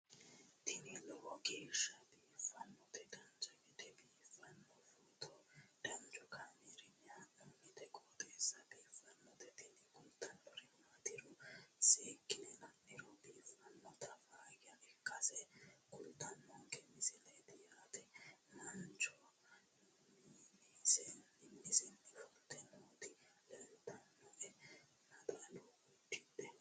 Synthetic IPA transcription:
t̪ɪnɪlɔhɔɡeːʃːɐbiːfɐnːɔt̪ɛdɐnd͡ʒɐɡɛt̪ɛbiːfɐnːɔfuːt̪ʰɔɖ̥ɐnd͡ʒɔkʰamɛɾɪnɪɐʔʊnːɪt̪ɛkʼɔːt̪eːsːɐbiːfɐnːɔt̪ɛt̪ɪnɪkʼʊlt̪ʰːɐnɔɾɪnːat̪ɪɾɔseːkʼːɪnɛnɐnːɪɾɔbiːfɐnːɔt̪ɐfaːɡɪjɐʔɛkʼːɐsɛkʼʊlt̪ːɐnːɔŋkɛmɪsɪlet̪ɪjaːt̪ɛnɐnt͡ʃɔ | nisɛnːɪnːɪsɛnːɪfɔlt̪ɛnoːt̪ɪlɛnt̪ɐnːɔʔɛ | nɐd̪aloɡʊtːɪd̪ɛ

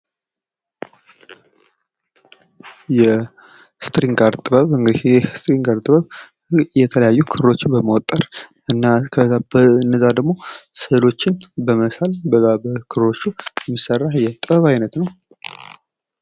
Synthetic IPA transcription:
jɛ | st̪ʼɾiŋɡaɾt̪ʼɨβəβɨŋɡjɛst̪ʼɾiŋɡaɾt̪ʼɨβəβ | jɛt̪ʰələjajːukʰɨɾɾo̞t͡ʃːɪnbəməwɔt̪ʼːəɾ | ɨnːakʰbənːəzad̪əɡmo̞səlo̞t͡ʃːɪnbəməsalbəbəkʰɨɾɾo̞t͡ʃːujɛmːisərːahjɛt̪ʼɨbəβajnət̪nəw

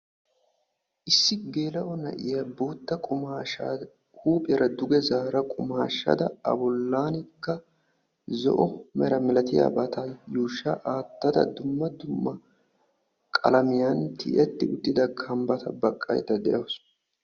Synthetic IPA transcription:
ʔɪsːɪɡe̞ːlɐʔɔnɐ̰ʔɪjaboːt̪ːɐkʼʊaː | kʰʼuːpʼɛɾɐd̪ʊɡɛzaːɾɐkʼʊmaːʃːɐ̰d̪ɐɐ̰bɔlːaːnɪkːɐ | zɔ̰ʔɔmɛɾɐmɛlɐt̪ɪja̰ːbɐt̪ajuːʃːaʔaːt̪ːɐd̪ɐ̰d̪ʊmːɐd̪ʊmːɐ | kʼɐ̰lɐmɪjant̪ɪ̰ʔɛt̪ːɪʊt̪ʼːɪd̪ɐkʰɐmbɐt̪ʰɐbɐkʼːɐ̰jt̪ːɐd̪ɛʔɐws

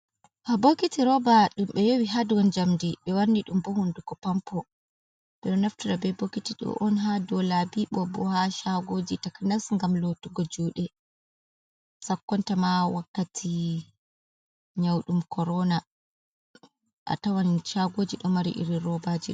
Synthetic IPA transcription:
habokitiɾɔbaɗumɓɛjowiɦaduwɔnd͡ʒamdiɓɛwanːdiɗumbɔhundukɔpampʰɔ | ɓɛɗɔnaftuɾabɛbokitiɗɔ̰ʔɔnɦadɔlabiɓɔbɔhaʃaɡoːd͡ʒitakanasŋɡamlotuɡɔd͡ʒuːɗɛ | sakːɔntamawakːatʰi | ɲawɗumkʰɔɾɔna | ʔa̰tawanʃaɡoːd͡ʒiɗɔmaɾḭʔḭɾiɾɔbad͡ʒiɗ

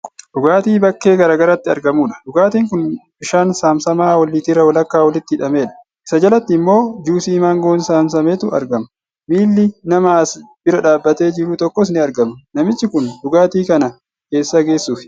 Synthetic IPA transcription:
ɗʊɡaːt̪iːbɐkːe̞ːɡɐɾaːɡɐɾat̪ːɪɐ̰ɾɡɐmuːᶑɐ̥dʊɡaːt̪iːŋkʊnbɪʃaːnsaːmsɐmaːwɐlːiːt̪ɪɾɐwɐlɐkːaːwɐlɪt̪ːɪɪᶑɐme̞ːᶑɐ̥ | ʔɪsɐd͡ʒɐlɐt̪ːɪɪmːo̞ːd͡ʒuːsiːmaːŋɡoːnsaːmsɐmeːt̪ʊʔɐ̰ɾɡɐmɐ | miːlːɪnɐmaːsbɪɾɐᶑaːbːɐt̪e̞ːd͡ʒɪɾut̪ɔkːɔs̬nɪɐɾɡɐmɐnɐmɪt͡ʃːɪkʊndʊɡaːt̪iːkɐnɐ | ke̞ːsːɐɡe̞ːsːuːfɪ̥

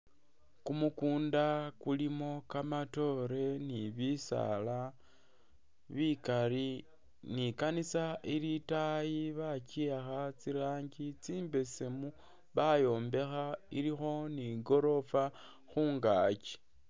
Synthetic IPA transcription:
kumukuːndakulimo̞kamato̞ɾe̞niβisa̰la | βikaɾi | nikanisailitajiβaciaxat͡siɾaːɲɟit͡siːmbe̞semu | βajo̞ːmbe̞xaiɾixo̞niɡo̞ɾo̞fa | xuːŋɡaːci̥

